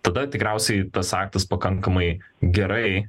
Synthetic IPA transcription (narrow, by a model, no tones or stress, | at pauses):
t̪ɐd̪ɐt̪ʲɪkɾʲɛʊsʲɛɪt̪ɐsɑːk̚t̪ɐspɐkɐŋkɐmɐɪɡʲɛɾɐɪ